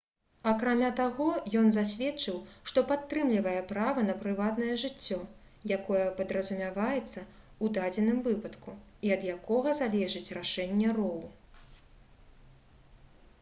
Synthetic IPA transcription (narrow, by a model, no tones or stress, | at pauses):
ɐkɾamʲat̪aɣɔjɔnzasʲvʲɛt͡ʂɨwʂt̪ɔpat̪ːɾɨmlʲivɐjɛpɾavɐnɐpɾɨvat̪nɐjɛʐɨt͡sʲːɔ | jakɔjɐpɐd̪ɾɐzumʲavajɛt̪sːɐ | ud̪ad͡zʲɛnɨmvɨpɐt̪kuiɐd̪jakɔɣɐzalʲɛʐɨt͡sʲraʂɛnʲːɛrɔwu